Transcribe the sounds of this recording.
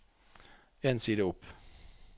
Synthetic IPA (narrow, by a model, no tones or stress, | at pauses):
ensiːd̪əɔpː